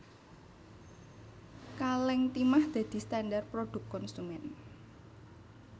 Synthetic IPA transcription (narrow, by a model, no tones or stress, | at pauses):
kalɛŋt̪imahd̪̥ä̤d̪̥i̤st̪andarpɾoɖ̪̥ʊ̤kːɔnsumɛn